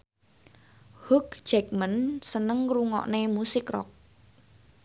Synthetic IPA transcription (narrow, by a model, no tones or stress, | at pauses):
hukd͡ʒɛk̚mənsənəŋruŋɔ̰ʔnemusɪkrɔ̰k̚